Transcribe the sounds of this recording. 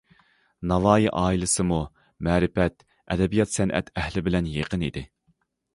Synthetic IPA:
nɑlɑːjiʔɑːilˠɨsɨmu | mɛːɾɪfɛt̪ | ɛd̪ɛbijɑt̪sɛnʔɛ̰t̪ʰɛhlɪbɪlɛnjeqənid̪ɪ

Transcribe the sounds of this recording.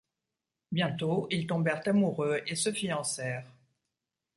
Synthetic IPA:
bjɛ̃t̪oilt̪ɔ̃bɛʁt̪amuʁøesəfiɑ̃sɛːʁ

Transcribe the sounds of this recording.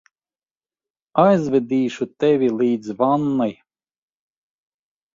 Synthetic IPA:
ajzvɛd̪iːʃut̪ɛvʲilˠiːd̪zvanːaj

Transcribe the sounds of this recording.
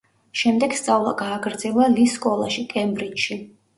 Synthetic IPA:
ʃɛmd̪ɛɡst̪sʼavlˠa̰ɡaːɡɾd̪zɛlˠaliskʼɔlˠa̰ʃikʼɛmbɾit͡ʃʃi

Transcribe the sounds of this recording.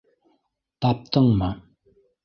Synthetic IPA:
t̪ap̚t̪əŋma

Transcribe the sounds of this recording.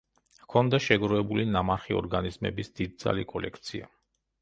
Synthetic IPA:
kʰɔnd̪aʃɛɡɾɔɛbulinamaɾχiɔɾɡanizmɛ̰bisd̪id̪̚d̪za̰likʼɔlɛkʰt̪sʰia

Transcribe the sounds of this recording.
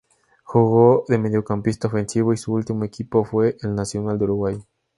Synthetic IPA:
xuɣoðe̞me̞ðjo̞kampist̪aofe̞nsiβoisuult̪imoekipofwe̞ʔelnasjo̞nald̪euɾuɣwaj

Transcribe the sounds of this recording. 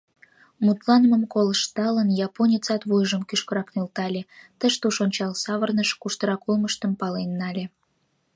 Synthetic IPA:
mut̪lɑnməmkolʃt̪ɑlənjɑponʲit͡sɑt̪βojʒəmkyʃkəɾɑknølt̪ɑlʲet̪əʃt̪uʃonʲt͡ɕɑlsɑβərnəʃkuʃt̪əɾɑkulməʃt̪ə̆mpɑlenːɑlʲe

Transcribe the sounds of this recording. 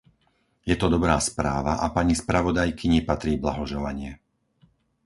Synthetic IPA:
jɛt̪ɔd̪ɔbɾaːspɾaːʋaʔapaɲispɾaʋɔd̪ajkiɲipat̪ɾiːbla̰ɦɔʒɛlaɲɪɛ

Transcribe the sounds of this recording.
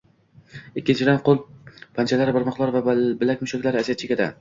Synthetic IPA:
ɪkʲːɪnt͡ʃʰɪd̪anqʰolˠpʰant͡ʃʰalaɾɪbɪɾmɒqlˠɒɾvabɪlak̚ʲmʊʃakʲlaɾɪazat͡ʃʰɪɡʲad̪a̰

